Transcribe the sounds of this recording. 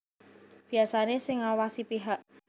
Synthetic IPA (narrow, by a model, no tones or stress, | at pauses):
b̥i̤asanesɪŋawasipiɦaʔ